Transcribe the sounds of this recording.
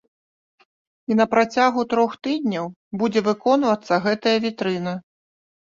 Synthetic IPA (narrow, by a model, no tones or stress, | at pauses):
in̪ɐpɾat͡sʲaɣut̪ɾɔxt̪ɨd̪ʲnʲɐw | bud͡zʲɛvɨkɔnvɐt̪sːɐɣɛt̪ɐjɐvʲit̪ɾɨnɐ